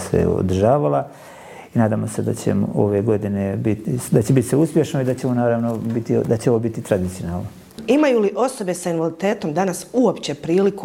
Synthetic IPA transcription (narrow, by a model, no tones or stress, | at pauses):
sḛo̰d̪rʒaːʋala | inaːd̪aːmo̞sed̪a̰t͡ɕḛmoo̰ʋe̞ɡo̞d̪inebit̪d̪at͡ɕebit̪iseuspje̞ʃnoid̪at͡ɕeomonaːɾaːʋnobit̪ḭd̪at͡ɕeoʋobit̪it̪ɾad̪it̪sijonaːlˠno | imajuliʔo̞so̞be̞sainʋalit̪e̞ːt̪o̞md̪anasuopt͡ɕe̞pɾiːliku